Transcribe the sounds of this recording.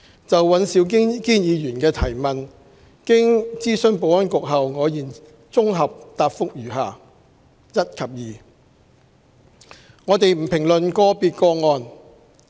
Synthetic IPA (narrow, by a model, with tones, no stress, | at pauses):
t͡sɐ˨wːɐ˨˥nsiː˨˧˥wkɪ˥kiː˥njiː˨˧jyː˨˩nkɛː˧t̪ʰɐ˨˩jmɐ˨n | kɪ˥ŋt͡siː˥sɵ˥ŋpo˨˧wɐ˥nkʊ˨k̚ɦɐ˨wŋɔː˨˧jiː˨n | t͡sʊ˥ŋɦɐ˨p̚t̪aː˧p̚fʊ˥k̚jyː˨˩ɦaː˨˩ | jɐ˥t̚kʰɐ˨p̚jiː˨ | ŋɔː˨˧t̪e˨jm̩˨˩pʰɪ˨˩ŋlɵ˨nkɔː˧piː˧t̚kɔː˧ŋɔː˧n